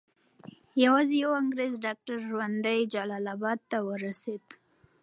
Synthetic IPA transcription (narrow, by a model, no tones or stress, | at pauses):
jawɑzejawaŋɡɾezɖɑk̚ʈaɾʒwand̪ajd͡ʒalɑlɑbɑd̪̚t̪awəɾased̪